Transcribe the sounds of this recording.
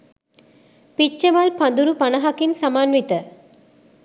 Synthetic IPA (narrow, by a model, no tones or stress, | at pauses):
pit͡ʃːɐmɐlpɐnd̪uɾupɐnɐɦɐkinsamaːnʋit̪ə